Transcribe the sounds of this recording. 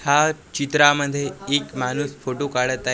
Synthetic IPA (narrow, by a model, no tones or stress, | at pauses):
hat͡ɕit̪ɾaməd̪ʱjeːkmanusfoʈokaɽət̪a